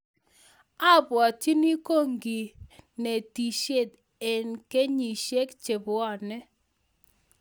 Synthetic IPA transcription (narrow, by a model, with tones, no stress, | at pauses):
a˦bwa˨ti˦ni˦ko˦˨ŋɡi˨ne˨ti˨ʃe˦˨d̪ | e˨nke˦ɲi˨ʃe˦kt͡ʃe˨bʊ˨ɔ˨nɛ˦